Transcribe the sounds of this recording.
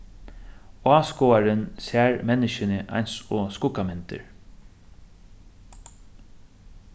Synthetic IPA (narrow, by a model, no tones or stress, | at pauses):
aːskoaɾɪnsæːɹmɛnɪʃɪnɪʔa̰jnsɔːskʊkamɛnt̪ɪ̰ɹ